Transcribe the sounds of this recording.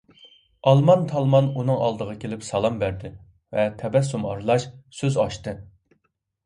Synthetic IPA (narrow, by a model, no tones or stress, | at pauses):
ɑlˠmɑnt̪ʰɑlˠmɑnunɨŋɑ̰lˠd̪əʁɑkʲʰelɪpsɑlˠɑmbæɾd̪ɪ | vɛt̪ʰɛbɛsːumɑɾlˠɑʃsøzɑʃt̪ɨ